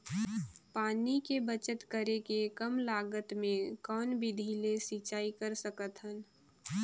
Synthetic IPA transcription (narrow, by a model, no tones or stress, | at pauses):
paːnikebət͡ʃət̪kəɾekekɐmlaːɡət̪mẽkɔːnbʱid̪ʱiːlesiːt͡ʃaːikəɾsəkət̪ɦən